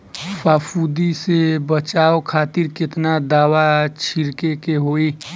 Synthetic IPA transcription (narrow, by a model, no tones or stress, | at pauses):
faːfʰud̪isebət͡ʃaːokʰaːt̪ɪɾkɪt̪nad̪aːwat͡ʃʰɪɾkekeɦoːi